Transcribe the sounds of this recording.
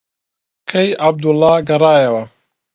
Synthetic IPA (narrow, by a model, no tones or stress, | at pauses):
kʰɐjab̚d̪ulːɑːɡɐɾˤɑːjɐwɐ